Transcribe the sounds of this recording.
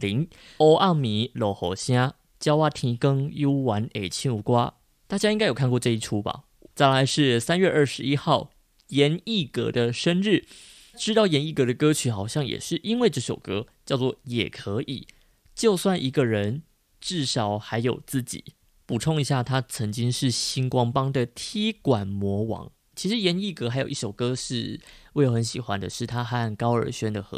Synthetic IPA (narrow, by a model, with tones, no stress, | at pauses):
li˧˥ŋ | o˥ʊʔa˥˩mi˨˥lo˧˨˥ʊxo̰˧˥ɕja˥ | t͡ɕjɑ˥ʊwa˥t̪ʰi˧˥ŋkə˥ŋju˥wa˧˥ne˨˩ɪt͡ɕʰi˥nu˨˧˩kwa˥ | t̪a˥˩t͡ɕja˥i˥ŋka˥ɪjo˨˩kʰkwɔ˧ʈ͡ʂɤ˥˧i˥˩ʈ͡ʂʰu˥ba̰˨˩ | t͡sa˥˩ɪla˧˥˦ɪʂɻ̩˥˩sa˥nɥɛ˥˧ʔə˞˥˩ʂɻ̩˧i˥xɑ˥˩ʊ | jɛ˧˦˥ni˥˩kɤ̰˧˥d̪ə˧ʂə˥nɻ̩˥˩ | ʈ͡ʂɻ̩˥˧t̪ɑ˥˩ʊjɛ˧˥ni˥˩kɤ˧˥d̪ə˧kɤ˥t͡ɕʰy˧˥xɑ˨˩ʊɕjɑ˥˩ŋjɛ̰˨˩ʂɻ̩˥˩ʔi˥nwe˥˧ɪʈ͡ʂɤ˥˩ɕjo˨˩ʊkɤ˥t͡ɕjɑ˥˧ʊt͡swɔ˥˩jɛ̰˨˩kʰɤ˧˥ʔḭ˨˩ | t͡ɕjo˥˧ʊswa˥˩nʔi˧˥ɡə˧ɻə˧˦n | ʈ͡ʂɻ̩˥˩ʂɑ˧˥ʊxa˧˥ɪjo˨˩ʊt͡sɹ̩˥˩t͡ɕḭ˨˩˦ | pu˨˩ʈ͡ʂʰo˥˩ŋi˧˥ɕja˥˩t̪ʰa˥t͡sʰə˧˥ŋt͡ɕi˥ŋʂɻ̩˥˩ɕi˥nkwɑ˥ŋpɑ˥ŋd̪ə˨t̪ʰi˥kwa˨˩nmwɔ˧˥wɑ̰˧˥ŋ | t͡ɕʰi˧˥ʂɻ̩˧˦jɛ˧˥ni˥˩kɤ˧˥xa˧˥ɪjo˨˩i˥˩ʂo˨˩ʊkɤ˥ʂɻ̩˥˩we˥˩ɪjo˧˥ʊə˧˦nɕḭ˨˩xwa̰˦nd̪ə̰˨ʂɻ̩˥˩t̪ʰa˥xa˥˧˥nkɑ˥ʊə̰˞˧˥ɕɥɛ˥nd̪ə˨xɤ̰˧˦